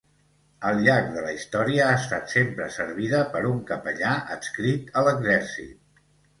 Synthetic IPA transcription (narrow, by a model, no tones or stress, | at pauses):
əlˠʎak̚ðələist̪ɔɾiəaəst̪at̪sempɾə̰səɾβ̞iðəpəɾuŋkəpəʎaʔəskɾit̪ələɡzɛɾsḭt̪̚